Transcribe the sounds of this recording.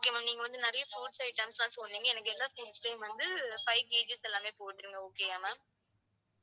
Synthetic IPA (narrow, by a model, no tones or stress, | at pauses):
oːkːemãmniːŋɡɐʋɐnd̪ɯnɪɾɐjɐfuːʈsɐɪʈːɐmslãːsɔlniːŋɡɐɛnɐkːɯɛlːaːfuːʈsʈɐɪmʋɐnd̪ɯfɐɪkeːd͡ʒɪsɛlːaːmeːpoːʈːɯɾɯŋɡɐoːkeːaːmaː